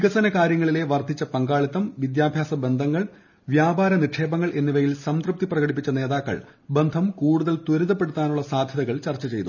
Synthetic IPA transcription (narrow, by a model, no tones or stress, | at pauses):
ʋiɡɐsɐnɐkaːɾjɐŋːɐɭile̞ʋɐrd̪ʱit͡ɕːɐpɐŋɡaːɭit̪ːɐmʋid̪jaːbʱjaːsɐbe̞nd̪ʱɐŋːɐɭ | ʋjaːbaːɾɐniʈʂe̞ːbɐŋːɐɭʔe̞nːiʋɐjilsɐmsk̪rup̚t̪iprɐɣɐɽipːit͡ɕːɐne̞ːðaːkːɐ̰ɭ | be̞nd̪ʱɐmkuːɽuðɐlt̪woɾuðɐpːe̞ɽut̪ːaːnuɭːɐsaːd̪ʱjɐðɐɣɐɭt͡ɕɐrt͡ɕːɐt͡ɕe̞jt̪u